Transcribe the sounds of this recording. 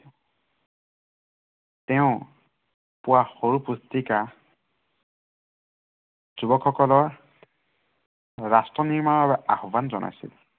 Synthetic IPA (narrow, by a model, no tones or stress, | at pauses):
tɛʊ̃ | pʊwaxoɹupustika | z̥ubɔkʰːɔkɔlɔɹ | ɹastɹɔniɹmaɹɔbɛʔahɔbanzɔnʔa̰jsḭl